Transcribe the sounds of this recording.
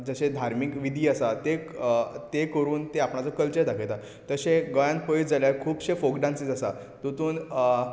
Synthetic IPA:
d͡zəɕẽd̪ʱaɾmikʋid̪ʱiːasat̪e | t̪ekəɾuːnt̪eapɳat͡səkəlt͡ɕəɾt̪akʰet̪a | t̪əɕẽɡəjãn̚pojd͡zaljakʰuːbɕefoɡɖãnsid͡zasa | t̪ut̪uːn

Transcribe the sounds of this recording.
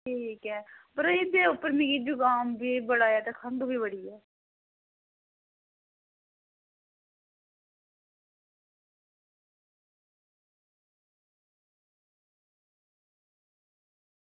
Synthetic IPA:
ʈʰiːkɛːpəɾɪd̪eːʊpːəɾmĩːɡid͡ʒʊɡaːmbiːbəɽaːjɛːt̪eːkʰənd̪ubiːbəɽiːɛː

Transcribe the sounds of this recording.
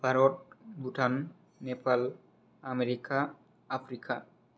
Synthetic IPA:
b̥ʱaɾɔʈ̚bʱuʈʰanː | epal | ameɾikaː | pʰɾika

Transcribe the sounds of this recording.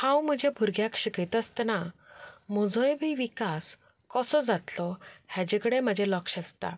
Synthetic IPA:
hãwm̤əd͡ʑjabʱuɾɡjakɕikit̪əst̪na | mɔd͡zʱɔjbiʋikas | kɔsɔd͡zat̪lɔhjad͡ʑekəɽeməd͡ʑʱelɔkɕəst̪a̰

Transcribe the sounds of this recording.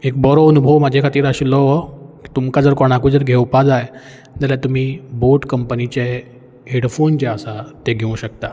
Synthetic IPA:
ek̚bɔɾoənubʱəʋmad͡ʑʱekʰat̪iːɾaɕilɔʋəki̥t̪umkad͡zəɾkoɽ̃akud͡zəɾɡʱewpad͡zaj | d͡zaljat̪um̤iːboʈkəmpənit͡ɕe | ɦeɽfont͡ɕeəsat̪eɡʱeũɕək̚t̪a

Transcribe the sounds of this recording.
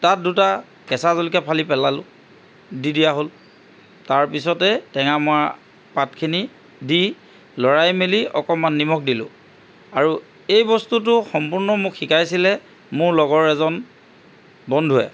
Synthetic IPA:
tat̚duta | kɛsazolikɛpʰalipɛlalʊ̰̃ | didijaɦol | taɹpisɔtɛtɛŋamʊa | patkʰini | di | lɔɹajmeliɔkɔmanːimɔk̚dilʊ̰̃ | aɹu | ejbɔstut̬ʊxɔmpuɹnɔmʊkxikajsilɛ | mʊɹlɔɡɔɹɛzɔn | bɔndʱuɛ̰

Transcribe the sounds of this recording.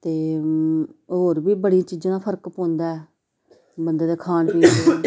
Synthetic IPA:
t̪eː | ɦoːɾbiːbəɽijãːt͡ʃiːd͡ʒãːpʰəɾkpõːnd̪aːɛː | bənd̪aːd̪eːkʰaːnpiːe

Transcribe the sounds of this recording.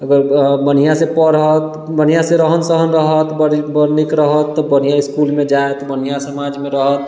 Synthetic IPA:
əɡəɾbənijasepəɾɦət̪ | bənijaseɾəɦənsəɦənɾəɦət̪bəɾbəɾnikɾəɦət̪ːɔbənijaiskulmed͡ʒaet̪bən̤ijasəmad͡ʒmeɾəɦət̪

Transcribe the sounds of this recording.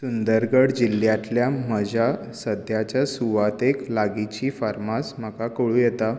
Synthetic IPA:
sund̪əɾɡəɽd͡ʑilːjat̪ljaməd͡ʑʱa | səd̪ʱjat͡ɕjasuʋat̪eklaɡit͡ɕiːfaɾmasm̤əkakoɭujet̪a

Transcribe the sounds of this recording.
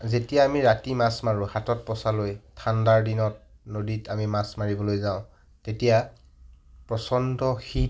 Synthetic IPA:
zetijaːmiɹatimasmaɹʊ̃hatɔt̚pɔsalojtʰandaɹdinɔt̚ | noditamimasmaɹibɔlojzaʊ̃ | tetija | pɹɔsɔndɔxi

